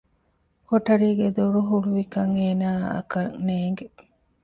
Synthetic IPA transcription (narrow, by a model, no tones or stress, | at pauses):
koʈɐɾiːɡed̪oɾuɦuɽuʋikɐŋeːnaːɐ̰kɐŋneːŋɡe